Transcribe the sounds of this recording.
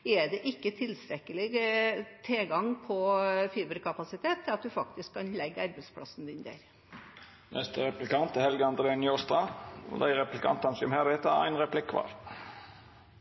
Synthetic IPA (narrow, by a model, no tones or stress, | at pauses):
ɛɖɛʔɪkːət̪ʰɪlst̪ɾɛkːəlɪ | t̪ʰeːɡɑŋpʰɔfiːbəɾkʰɑpɑsɪt̪ʰeːt̪ʰːɪlɑt̪̚d̪ʉfɑk̚t̪ɪskkʰːɑnlɛɡːɑɾbəɛɪspʰɽɑ̰sn̩d̪ɪnd̪æ̰ɾ | nʔɛst̪əɾɛplɪkɑnt̪əhɛlɡəɑnd̪əleːnɪɔst̪ɑɔ̰d̪æɪɾɛplɪkʰɑ̰nt̪ɑnsɪɔmhɛɾɛːt̪əæ̰ɪnʁɛpʰlɪkːʰʋɑ̰ːɾ